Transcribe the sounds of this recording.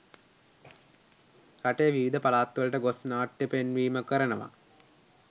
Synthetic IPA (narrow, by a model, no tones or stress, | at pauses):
ɾaʈejʋiʋid̪ʱɐpalaːt̪ʋɐlɐʈəɡosnaːʈjɐpenʋiːməkəɾənəʋa̰